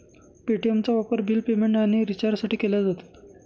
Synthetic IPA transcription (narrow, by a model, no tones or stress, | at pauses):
piʈiemt͡saʋapəɾbʱilpemeɳʈaɽ̃iɾit͡ɕaɾsaʈiːkelad͡zat̪ḁ